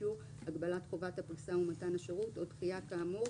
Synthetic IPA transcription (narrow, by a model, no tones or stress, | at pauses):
u | aɡbalatχo̞vathapʁisaumatanaʃeʁutodχijakaːmo